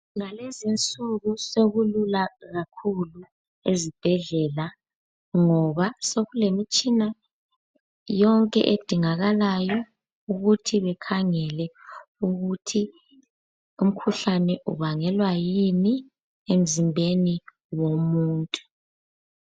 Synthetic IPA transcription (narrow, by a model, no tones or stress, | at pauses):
ŋalezint͡sʼuɣuseɣululaɣakʰulu | ezib̥ʱɛɮɛla | ŋɔβasoɣulemit͡ʃʼina | jɔŋkʼɛ̰ʔed̥ʱiŋaɣalajɔ | uɣutʰiβɛkʰaŋɛlɛuɣutʰi | um̩kʰuɬanɛʔṵβaŋɛlwajini | em̩zimbʱeni | womuːntʼu̥